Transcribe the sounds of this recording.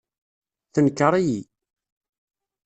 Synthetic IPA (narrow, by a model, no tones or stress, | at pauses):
θənkːəɾˤiji